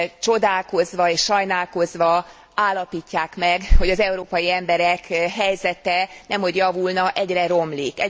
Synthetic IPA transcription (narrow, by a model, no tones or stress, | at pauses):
t͡ʃo̞d̪aːlko̞zʋɒeːʃʃɒjnaːlko̞zʋɒ | aːlːɒpiːcːaːkmɛɡho̞ɟɒzɛuɾoːpɒjiɛmbɛɾɛkɦɛjzɛt̪ɛnɛmho̞ɟjɒvulnɒʔɛɟrɛɾo̞mliːkɛ